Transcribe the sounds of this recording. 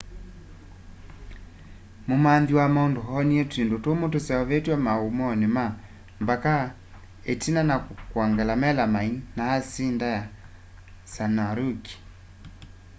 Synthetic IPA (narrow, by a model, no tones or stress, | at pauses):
mumandiwamɔndoɦɔniɛtindotomotosɛɔβɛtiamaumɔnema | mbaka | etinanakwaŋɡalamɛlamainaasindaja | sanaɾuki̥